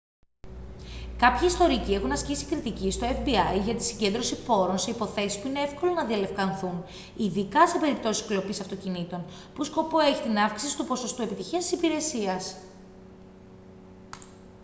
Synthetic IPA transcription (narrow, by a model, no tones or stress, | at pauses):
kɐpçɐist̪o̞ɾicie̞xunɐscisi̥kɾit̪icist̪o̞efbiɐjʝɐt̪i̥siɲɟe̞nd̪ɾo̞sipo̞ɾo̞nse̞ipo̞θe̞sispuine̞efko̞lo̞nɐðiɐle̞fkɐnθun | iðikɐse̞pe̞ɾip̚t̪o̞sisklo̞pisɐft̪o̞cinit̪o̞n | pusko̞po̞e̞çit̪inɐfksisi̥t̪upo̞so̞st̪ue̞pit̪içiɐst̪i̥sipiɾe̞siɐs